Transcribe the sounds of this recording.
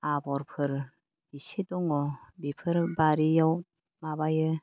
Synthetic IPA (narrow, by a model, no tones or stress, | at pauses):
abɔɾpʰɯɾ | isidɔŋɔbipʰɯɾbaɾijaw | mabajɯ